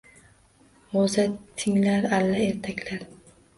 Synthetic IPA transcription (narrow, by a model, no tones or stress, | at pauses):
ozat̪ʰːɪŋlaɾalːae̞ɾt̪ʰakʲlaɾ